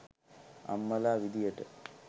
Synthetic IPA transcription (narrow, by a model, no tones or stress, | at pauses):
ɐ̰mːɐlaːʋid̪ijɐʈːɐ̰